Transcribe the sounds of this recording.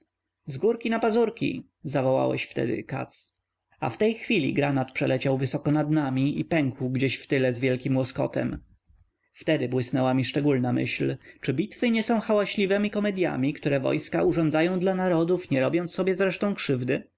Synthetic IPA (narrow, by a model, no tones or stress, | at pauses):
zɡuɾkʲinapazuɾkʲḭ | zavɔwa̰wɛ̰ɕft̪ɛ̰d̪ɪ̰ka̰t̪s | a̰ft̪ɛjxfʲilʲḭɡɾanat̪pʂɛlɛt͡ɕawvɘsɔkɔnad̪namʲiipɛŋkwɡd͡ʑeɕft̪ɘlɛzvʲjɛlkʲimwɔskɔ̰t̪ɛ̰m | ft̪ɛd̪ɘbwɘsnɛwamʲiʂt͡ʂɛɡulnamɘ̰ɕlt͡ʂɘbʲit̪fɘɲɛsɔ̃w̃xawaɕlʲivɛmʲikɔmɛd̪ʲja̰mʲikt̪uɾɛvɔ̰jskauʐɔnzajɔ̃w̃d̪lanaɾɔd̪ufɲɛɾɔbʲjɔnt̪sːɔbʲjɛzɾɛʂt̪ɔ̃w̃kʂɘvd̪ɘ